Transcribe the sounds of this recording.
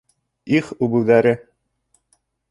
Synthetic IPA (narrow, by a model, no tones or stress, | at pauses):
iχʉbɘ̆wðæɾɘ